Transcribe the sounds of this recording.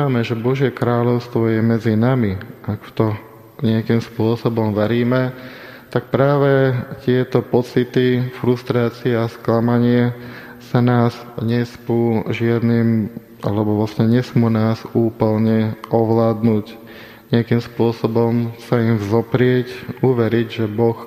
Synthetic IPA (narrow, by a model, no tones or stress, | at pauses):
amɛʒɛbɔʒjɛkɾaːʎɔʊst̪ʋɔjɛmɛd͡zinamiʔakt̪ɔ | ɲɪakiːmspʊɔsɔbɔmʋɛɾiːmɛ | t̪ak̚pɾaːʋɛt̪ɪɛt̪ɔpɔt͡sit̪ifɾust̪ɾaːt͡siɛasklamaɲɪɛ | sanaːz | ɲɛsmuːʒɪad̪niːm | ʔa̰lɛbɔʋlascɛɲɛsmuːnaːzuːpl̩ɲɛʔɔʋlaːd̪nuːc | ɲɪakiːmspʊɔsɔbɔmsaimzɔpɾɪɛcuʋɛɾiɟʒɛbɔx